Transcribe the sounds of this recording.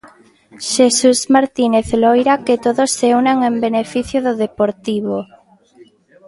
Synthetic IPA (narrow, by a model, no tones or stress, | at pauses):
ʃesusmaɾt̪ineθlojɾaket̪oðosːeunaŋembenefiθjoðoðepoɾt̪iβo